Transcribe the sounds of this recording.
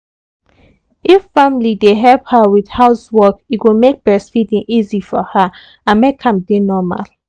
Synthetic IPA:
ifːamlideɦɛlphawið̥haʊswɔkiɡomek̚b̥ɛsfidĩŋʔizifɔha | ãnmekʰãmdenɔma̰l

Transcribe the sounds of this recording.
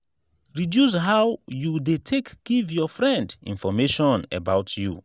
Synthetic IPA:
ɹidjus̬ɦawjudetʰekɡ̥ivjɔfɹɛ̃ndḭ̃nfɔmeʃɔ̃nə̰baʊtʰjṵ

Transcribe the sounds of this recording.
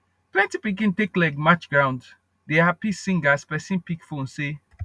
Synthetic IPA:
plɛ̃ntipik̬ĩnteklɛɡmat͡ʃɡɹãʊ̃nd | dehapisĩŋɡaspɛsĩnpikfõnse

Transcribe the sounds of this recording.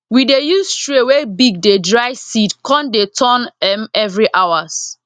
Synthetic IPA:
widejustɹewebiɡ̚dedɹajsidkʰɔ̃ndetʰɔnɛ̃mɛvɹiʔawas

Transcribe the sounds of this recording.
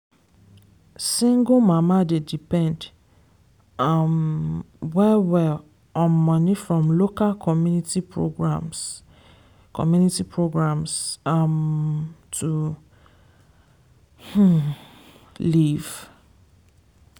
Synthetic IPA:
sĩŋɡomãmadedipɛ̃nd | am | wɛwɛl | ɔ̃mɔ̃nĩfɹɔ̃mlokalkʰɔmjunitipʰɹo̰ɡɹãms | kʰɔ̰mjunitipʰɹoɡɹãmsam | tʰu | h̩ | liv̥

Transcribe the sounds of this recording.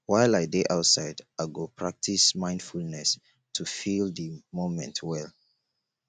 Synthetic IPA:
waɪlaɪdeʔaʊtsaɪdaɡopʰɹak̚tʰismãɪ̃nd̥fulnɛs | tʰufildəmõmɛ̰̃ntʰwɛl

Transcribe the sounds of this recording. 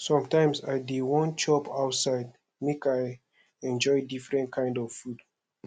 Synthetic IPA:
sɔ̃mtãɪ̃msadewɔ̃nt͡ʃɔpaʊtsaɪd̚ | mekaj | ɛ̃nd͡ʒɔɪdifɹɛ̃nt̚kʰãɪ̃ndɔv̥fud

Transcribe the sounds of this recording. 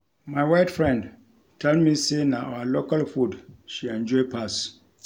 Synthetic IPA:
mãɪwaɪtfɹɛ̃nd | tʰɛlmĩsenãʔa̰walokalfudʃiɛ̃nd͡ʒɔɪpʰas

